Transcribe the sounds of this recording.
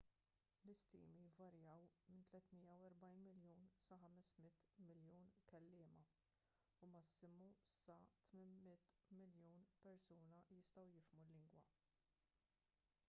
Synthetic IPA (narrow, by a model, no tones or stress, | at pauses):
lɪst̪ḭːmivɐɾjɐːwmɪnt̪lɛt̪mɪjːɐwɛɾbɐjnmɪljuːnsɐħɐmɛsmɪt̪ːmɪljuːnkɛlːɪːmɐ | umɐsːɪmusɐt̪mɪnmɪt̪ːmɪljuːnpɛɾsuːnɐjɪst̪ɐwjɪfmulːɪŋɡwɐ̰